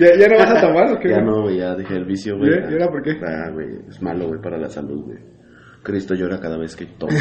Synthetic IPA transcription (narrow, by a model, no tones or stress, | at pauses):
jaʝanoβasat̪omaɾokeanowejʝaðixeːlβisjoɣweeɾapoɾkeɾa̰wḛjezmaloɣwejpaɾala̰sa̰lṵðwḛj | kɾist̪oʝo̞ɾakaðaβesket̪o